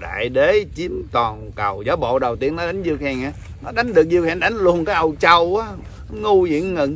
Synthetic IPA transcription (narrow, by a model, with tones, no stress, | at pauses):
ɗa̰ː˧˨jɗe˨˦t͡ɕi˨˦ənt̪ɔ˨˩nkə˨˩wzaː˨˦wɓo̰˧˨ɗə˨˩wt̪i˧ənːɔ˨˦ɗa˨˦jŋ̟zɨ˧ək̚hɛ˨˩ŋaː˨˦ | nɔ˨˦ɗa˨˦jŋ̟ɗɨ˨˩ək̚zɨ˧ək̚hɛ˧˩nɗa˨˦jŋ̟lu˧˩ənkaː˨˦jʔə˨˩wt͡ɕaə˨˧˩wʔaː˨˦˨ | ŋu˧zḭ˧˨ənːɨ̰˧˨ŋ